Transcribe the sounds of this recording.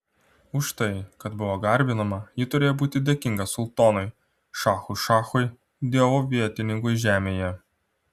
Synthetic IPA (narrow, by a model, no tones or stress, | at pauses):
ʊʃt̪ɐɪkɐt̪bʊʋoːɡɐɾʲbʲɪnɐmɐjɪt̪ʊɾʲeːjoːbuːt̪ʲɪd̪ʲeːkʲɪŋɡɐsʊlˠt̪oːnʊɪ | ʃɑːxʊʃɑːxʊɪ | d̪ʲiɛʋoːʋʲiɛt̪ʲɪnʲɪŋkʊɪʒʲæːmʲeːjɛ